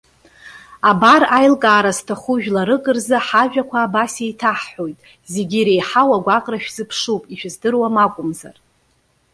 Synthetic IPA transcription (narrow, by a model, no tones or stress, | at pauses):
abarajlkʼaːɾastʰaχuʒᶣlaɾɨkʼɨrzɨħaʒᶣakʷʰaːbasejtʰaħħo̞jtʼ | zeɡʲiɾejħawaɡʷaqʼraʃᶣzɨpʰʂupʼiʃᶣɨzdɨrwamakʷʼʊmza̰r